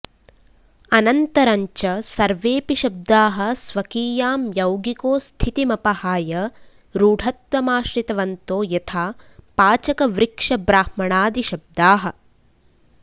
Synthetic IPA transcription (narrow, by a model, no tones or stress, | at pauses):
ɐnɐnt̪ɐɾɐɲt͡ʃɐsɐɾʋeːpiʃɐb̚d̪aːɦɐ̆sʋɐkiːjaːmjɐwɡikoːst̪ʰit̪imɐpɐhaːjɐ | ɾuːɖʱɐt̪ʋɐmaːʃɾit̪ɐʋɐnt̪oːjɐt̪ʰaːpaːt͡ʃɐkɐʋɾikʂɐbɾaːhmɐɳaːd̪iʃɐb̚d̪aːɦɐ̆